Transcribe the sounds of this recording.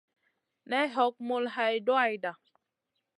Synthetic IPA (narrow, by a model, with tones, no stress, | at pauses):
nɛ˦ɦɔ˨˦k̚mo˨lɦa˨jdo˦a˨jda˨